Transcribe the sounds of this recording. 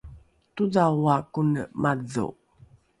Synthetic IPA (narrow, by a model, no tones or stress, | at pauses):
tuzawakunə̰mʔaðo̰